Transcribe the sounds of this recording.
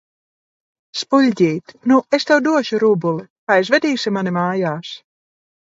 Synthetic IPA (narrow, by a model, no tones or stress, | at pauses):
spulʲɟʲiːt̪nuest̪ɛwd̪uɔʃuɾubulˠikaːizvɛd̪ʲiːsʲimanimaːjaːs